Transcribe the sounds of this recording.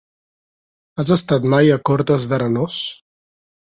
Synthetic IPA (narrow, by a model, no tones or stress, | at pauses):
azəst̪at̪majəkɔɾt̪əzðəɾənɔs